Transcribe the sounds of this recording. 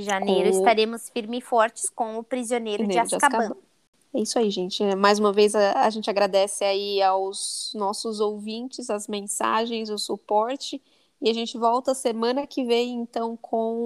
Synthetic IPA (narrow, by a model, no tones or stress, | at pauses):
ɪʒanejɾʊɪst̪aɾẽmʊsfiɾmɪɪfɔɾt͡ʃɪ̥skõʊpɾizionejɾʊneɪasd͡ʒakakaɐb̃bɐ̃ | ɛisaiʒẽnt͡ʃɪɛmajzũmɐvejzɐaʒẽnt͡ʃɪaɡɾad̪ɛsɪaiawznɔsʊzowvĩnt͡ʃɪzɐzmẽsa̰ʒẽj̃zʊsupɔɾt͡ʃɪ | ɪaʒẽnt͡ʃɪvɔwt̪ɐsemɐ̃nɐkɪvẽj̃ẽnt̪ɐ̃w̃kʰõ